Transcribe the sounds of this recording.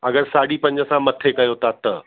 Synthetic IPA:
ɐɡəɾsaːɽipɐ̃ɲd͡ʑəsãmɐt̪ʰekɐjot̪ʰat̪ɐ

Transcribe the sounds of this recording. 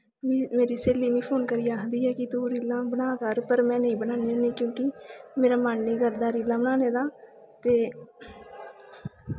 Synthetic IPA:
mĩːmeːɾiːseːliːmĩːpʰoːnkəɾiːaːɦəd̪iːɛːkɪt̪ũːɾiːlãːbənaːkəɾpəɾmɛ̃ːnəĩːbənaːneːnẽːkjõːkimeːɾaːmaːnneːɡəɾd̪aːɾiːlãːbənaːneːd̪aː | t̪eː

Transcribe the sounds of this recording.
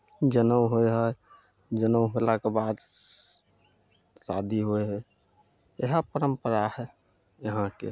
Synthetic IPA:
d͡ʒənəwɦoeɦɔ | d͡ʒənəwɦolakebad̪ | sa̰d̪ʱiɦoeɦɛ | eɦapəɾəmpəɾahɛ | jəɦãkḛ

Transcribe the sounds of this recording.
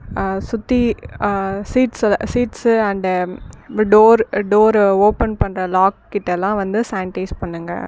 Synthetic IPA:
sʊt̪ːi | siːʈssiːʈsɐɳɖ | ɖoːɾɖoːɾoːpɛnpɐɳɾɐlaːkːɪʈːɛlːãːʋɐnd̪ɯsaɪɳʈɐɪspɐɳːɯŋɡɐ̰

